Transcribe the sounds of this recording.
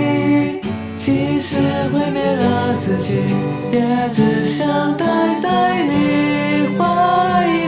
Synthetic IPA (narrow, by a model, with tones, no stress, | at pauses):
t͡ɕi˧˥ʂɻ̩˧˥xe˥ɪmjɛ˧˥nlə˧t͡sʰɹ̩˨˩t͡ɕi˧˩ | pjɛ˧˥ʈ͡ʂ̩˧˩ɕjɑ˥˧ŋt̪a˥˧ɪt͡sa˥˧ɪni˨˩xwa˥i˧